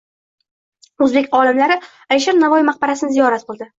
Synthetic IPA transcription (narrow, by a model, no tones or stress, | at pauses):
ozbe̞kʲɒlɪmlaɾɪ | ajʃaɾnavɒjimaqbaɾasɪnɪzijɒɾat̪̚qʰɨlˠd̪ɪ